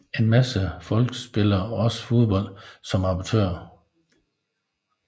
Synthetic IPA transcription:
e̝nmæsəfɒ̽lɡ̥əsb̥e̝lɐːɒ̽sə̥fo̝ðˠb̥ɒ̽l̰d̥sɒ̽mɑ̈b̥ɑt͡sʰø̰ːɐ̰

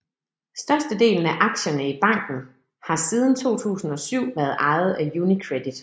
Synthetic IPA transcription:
sd̥ɶɐsd̥əd̥e̝̰ːln̩æʔɑ̈ɡ̥ɕɐnəib̥ɑ̈ŋ̰ɡ̥n̩ | hɑ̈siːð̞ˠn̩t͡sʰo̝̰ːt͡sʰṵːsn̩ɒ̽syʊ̰ʋæɐð̩ˠʔɑ̈ɪð̩ˠæjunikʰʁed̥id̥

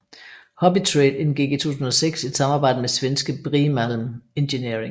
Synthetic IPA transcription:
hɒ̽b̥it͡sʰʁeːd̥enɡ̥iɡ̥it͡sʰoṵːsusn̩ɒ̽seɡ̥sid̥sɑ̈mɑ̈ːbɑ̈ɪ̰d̥əmesʋensɡ̥əb̥ʁimælm̩e̝nɕe̝niɐe̝ŋ

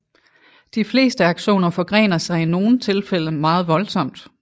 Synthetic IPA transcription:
d̥ifle̝̰ːsd̥əɑ̈ɡ̥ɕo̝̰ːnɐfɒ̽ɡ̥ʁɛ̰ːnɐsɑ̈ɪino̝ːn̩t͡sʰe̝lfel̰əmɑ̈ːð̞̩ˠʋɒ̽lsɒ̽m̰d̥

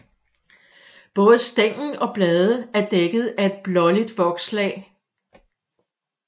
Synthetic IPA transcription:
b̥ɔ̽ːð̞̩ˠəsd̥eŋ̰n̩ɒ̽b̥lɛːðˠəæɐd̥eɡ̥ð̞̩ˠæe̝d̥̚b̥lɒ̽lid̥ʋɒ̽ɡ̥slɛ̰ɪ

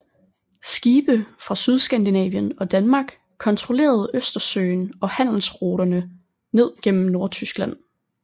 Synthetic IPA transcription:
sɡ̥iːb̥əfʁɑ̈syð̞ˠsɡ̥ænd̥inɛ̰ːʋjənɒ̽d̥ænmɑ̈ːɡ̥ | kʰɒ̽nt͡sʰʁo̝le̝̰ːɐð̞̩ˠøsd̥ɐsø̰ːɪnɒ̽hæn̰l̩sʁoːɾ̥ɐnə | ne̝ð̞̰ˠɡ̥en̰m̩no̝ɐt͡sʰysɡ̥læn̰

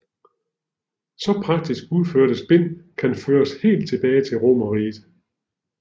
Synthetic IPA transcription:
sɒ̽pʰʁɑ̈ɡ̥̚d̥isɡ̥uð̞ˠføɐd̥əsb̥e̝n̰kʰænføːɐshe̝̰ːld̥̚t͡sʰe̝b̥ɛːɪt͡sʰe̝lʁo̝mɐʁiːð̥ˠ

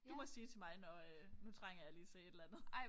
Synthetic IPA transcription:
d̥umɒ̽siːt͡sʰe̝mɑ̈ɪnɒønut͡sʰʁaŋ̰ɐjɑ̈liːt͡sʰe̝e̝d̥lænð̩ˠɪ

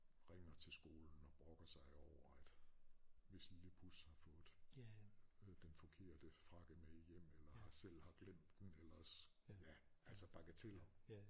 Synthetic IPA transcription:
ʁɛŋ̰ɐt͡sʰe̝lsɡ̥o̝ːln̩ɒ̽b̥ʁɔ̽ɡ̥ɐsɑ̈ɪɒʊɐæd̥ | ʋe̝sliləpʰushɑ̈fɔ̽ːð̩ˠ | d̥enfɒ̽kʰe̝ɐ̰d̥əfʁɑ̈ɡ̥əmeijem̰elɐhɑ̈sel̰hɑ̈ɡ̥lem̰d̥ːenelɐs | jæʔælsɒb̥ɑ̈ɡ̥ət͡sʰe̝l

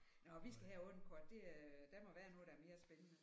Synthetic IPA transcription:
nɒʋisɡ̥æɦæɔ̽n̩kʰɒd̥ːe̝æd̥æmɒ̽ʋæːɐnɔ̽ːð̩ˠdɑæɐme̝ːɐsb̥enənə

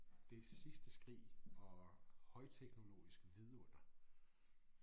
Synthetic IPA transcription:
d̥e̝sisd̥əsɡ̥ʁḭːɒ̽hɒ̽ɪt͡sʰeɡ̥no̝lo̝̰ːisɡ̥ʋiðˠon̥ɐ

